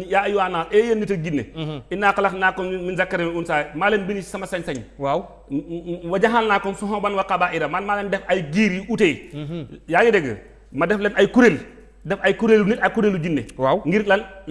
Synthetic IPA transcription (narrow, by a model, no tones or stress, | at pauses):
jajuwanaːlʔejenːitɐd͡ʒinːḛinːakalaknaːkɔnminzakːaɾimiunsaːjmalenbinisamasaɲsaɲwa | wad͡ʒaɦalnakːɔnsuɦɔbanwakabaiɾamalmalendɛfajɡiːɾiute | jaɡidɛɡə̰ | madɛflɛnajkuɾel | dɛfajkuɾelunitakuɾelud͡ʒinːḛwaŋɡiɾlan